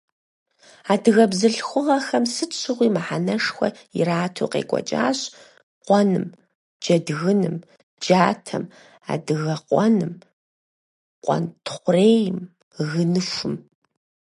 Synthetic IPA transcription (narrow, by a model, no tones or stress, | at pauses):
aːdɨɣɐbzɨɬxʷʊʁɐxɐmsɨt͡ʃʰɨʁʷiːmaħanɐʂxʷɔ̰ | ḭɾaːtʰoːqḛːkʷʼɔ̰t͡ʃʼa̰ːɕ | qʷɔnɨ̰m | d͡ʒɐdɣɨnɨm | d͡ʒaːtʰɐ̰m | a̰ːdɨɣɐqʷʼɔnɨm | qʷʼɔ̰ntʰχʷʊreːjɪm | ɣɨnɨʃʷʊm